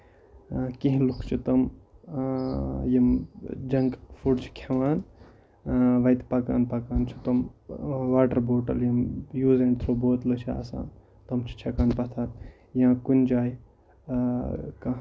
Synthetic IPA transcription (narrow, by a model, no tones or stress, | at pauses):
kiɦĩlukʰt͡ʃʰit̪ɐm | jɐmd͡ʒɐŋɡfʰuɽt͡ʃʰi̥kʰeʋaːn | ʋɐjt̪pɐka̰ːnpɐkaːnt͡ʃʰit̪ɐmʋaːʈɐɾboːʈɐ̰ljɐmjuːzẽɳɖt̪ʰɾoboːt̪lɐt͡ʃʰia̰ːsa̰ːn | t̪ɐmt͡ʃʰi̥t͡ʃʰɐkaːnpɐt̪ʰaːt̪ | jãːkund͡ʒaːj | kɐ